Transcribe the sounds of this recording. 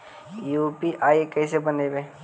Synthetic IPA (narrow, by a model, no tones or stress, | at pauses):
jupiʔaːikɛs̬ebənebe